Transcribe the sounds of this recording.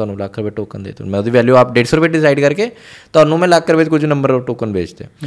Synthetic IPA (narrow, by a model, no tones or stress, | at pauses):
aːnũːlakʰːɾəpeːʈoːkənd̪ḛːt̪ṵːnmɛ̃ːʊd̪iːʋɛːljuaːpɖeːʈsəɾbeʈɖɪsaːɪɖkəɾkeːt̪ʊaːnũːmɛ̃ːlakːəɾʋɪt͡ʃkʊd͡ʒnəmbəɾoʈoːkənbḛːd͡ʒd̪ḛ